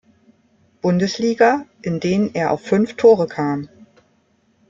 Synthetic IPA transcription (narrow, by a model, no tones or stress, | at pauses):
b̥ʊndəsliːɡaʔɪndeːnənʔeːɐʔa̰ʊfːʏnftʰoːʁəkʰaːm